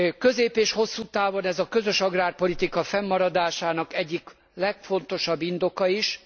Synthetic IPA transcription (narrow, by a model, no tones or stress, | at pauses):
kø̞zeːpeːʃho̞sːuːt̪aːvo̞nɛzɒkø̞zøʃɒɡraːrpo̞lit̪ikɒfɛmːɒɾɒd̪aːʃaːnɒkɛɟːik | lɛkfo̞nt̪o̞ʃɒbːind̪o̞kɒiʃ